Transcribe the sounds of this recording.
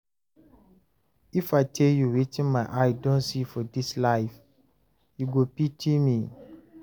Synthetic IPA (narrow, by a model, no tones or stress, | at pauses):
ifatʰeljuwetĩnmaʔaɪdõnsifɔdislaɪf | juɡopitʰimi